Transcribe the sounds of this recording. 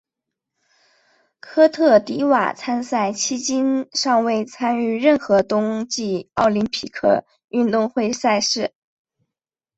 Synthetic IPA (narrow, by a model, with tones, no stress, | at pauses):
kʰɤ˥t̪ʰɤ˥˩t̪i˧˥wa̰˨˩t͡sʰa˥nsa˥˩ɪt͡ɕʰi˥t͡ɕi˥nʂɑ˥˧ŋwe˥˧˩ɪt͡sʰa˥ny˥˧ɻə˥˩nxɤ˧˥t̪ʊ˥ŋt͡ɕi˥˧ɑ˥˩ʊli˧˥npʰi˨˩kʰɤ̰˥˩ | y˥˧nt̪ʊ˥˧ŋxwe˥˧ɪsa˥˧ɪʂɻ̩˥˩